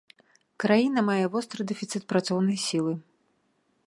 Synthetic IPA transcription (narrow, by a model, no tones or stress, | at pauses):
kɾajinɐmajɛvɔst̪ɾɨd̪ɛfʲit̪sɨt̪̚pɾat̪sɔwnɐjsʲilˠɨ